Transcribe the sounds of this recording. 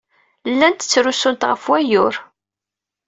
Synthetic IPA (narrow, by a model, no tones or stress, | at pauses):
lːænt̪ət͡sːɾusʊnt̪ʁəfwæjʊɾ